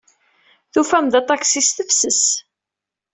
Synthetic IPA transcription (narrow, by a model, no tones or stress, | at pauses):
θufæmd̪ɑt̪ˤɑksisθəfsəs